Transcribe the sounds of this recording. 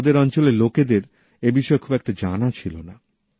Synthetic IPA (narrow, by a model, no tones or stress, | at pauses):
d̪eɾɔnt͡ɕoleloked̪eɾ | ebiʃɔekʰubɛk̚ʈad͡ʑanat͡ɕʰilona